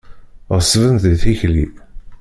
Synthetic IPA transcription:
ʁəsvənθiθiçlḭ

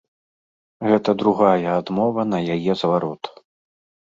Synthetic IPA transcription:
ɣɛt̪ɐd̪ɾuɣajɐːd̪mɔvɐn̪ɐjajɛzɐvaɾɔt̪

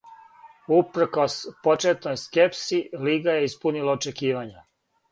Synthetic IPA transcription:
upɾko̞spo̞t͡ʃet̪nojske̞psiliːɡaje̞ispunilaot͡ʃe̞kiːʋaɲa

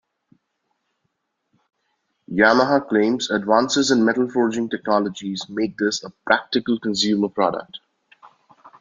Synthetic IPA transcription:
jaməɦaklẽːmzəɖʋãːnsɪzə̃nɖmɛʈl̩fɔːɾd͡ʒɪ̃ŋʈɛk̚nɔləd͡ʒizmeːk̚d̪ɪsəpɾæk̚ʈɪkəlkə̃ns̬juːməpɾɔ̰ːɖə̰k̚ʈ

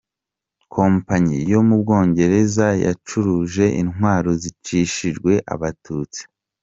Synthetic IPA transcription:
kʰo̞ːmpaɲijo̞mubɡo̞ːɲɟe̞ɾe̞zaja̰t͡ʃuɾuʒe̞ʔinɦwaːɾozit͡ʃiʃiʒɡwe̞ʔa̰βatʰuːt͡si̥

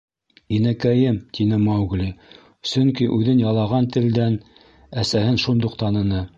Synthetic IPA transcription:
inækæjɘmt̪ʰinɘmɑwɡlʲi | sɵŋkiʔʉðɘnjɑlˠɑʁɑnt̪ɘ̆ld̪æn | æsæhɘnʃund̪oqt̪ɑnɤ̆nɤ

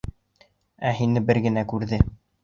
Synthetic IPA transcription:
æɦinɘbɘɾɡɘ̆nækʉɾðɘ

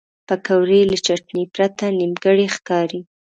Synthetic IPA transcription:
pəkawɾelət͡ʃaʈ̚nipɾat̪animɡəɽexkɑɾi

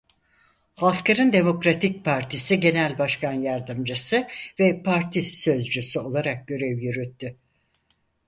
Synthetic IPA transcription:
halˠklˠaɾɯnd̪e̞mo̞kɾat̪ʰic̚pʰaɾt̪ʰisiɟe̞nælʲbaʃkʰanjaɾd̪ɯmd͡ʒɯsɯvɛpʰaɾt̪ʰisø̞zd͡ʒysyo̞lˠaɾak̚ɟø̞ɾɛvjyɾyt̪ʰːy

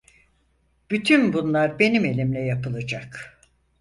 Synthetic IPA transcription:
b̥yt̪ʰynbunlˠaɾbe̞nime̞lʲimlʲɛjapɯlˠad͡ʒak

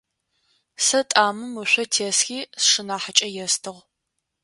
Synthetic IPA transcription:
sɐtʼaːmɨmɨɕʷɔtʰeːsxʲiːsʂɨnaːħət͡ʃʼɐjɛstʰɨʁ

